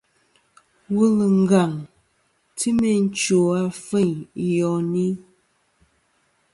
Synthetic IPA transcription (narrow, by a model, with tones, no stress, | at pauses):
wu˦lə˨ŋ̩˦ɡa˨ŋ | ti˦me˨n˦t͡ʃo˨a˦fe˦˨ɲ˨jɔ˨ni˦